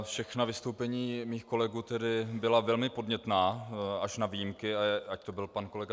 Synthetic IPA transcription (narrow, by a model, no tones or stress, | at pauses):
fʃɛxnavɪst̪o̞wpɛɲiːmiːxko̞lɛɡuːt̪ɛdɪbɪlavɛlmɪpo̞dɲɛt̪naːaʃnavijimkɪaac̚t̪o̞bɪlpanko̞lɛɡa